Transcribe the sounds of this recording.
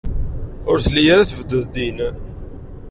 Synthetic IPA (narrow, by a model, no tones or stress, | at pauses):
ʊɾθlːijaɾaθvəd̪ːəðd̪in